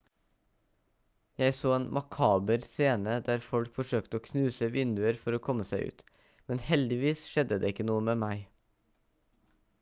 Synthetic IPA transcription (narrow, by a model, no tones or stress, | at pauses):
jæɪsoːeːnmʔɑkʰɑːbəɾseːnəd̪æːɾfɔlkfɔʂøːkt̪əoːkʰnʉːsəʋɪnd̪ʉəɾfɔɾoːkʰɔmːəsæɪʔʉ̰ːt̪ | mɛnhɛld̪ɪʋiːsʃɛd̪əd̪eːɪkːənuːəmeːmæɪ